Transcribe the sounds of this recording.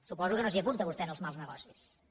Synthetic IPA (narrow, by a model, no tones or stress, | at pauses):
supɔzukənosiəpunt̪əβust̪ɛnəlˠzmalˠznəɣɔsis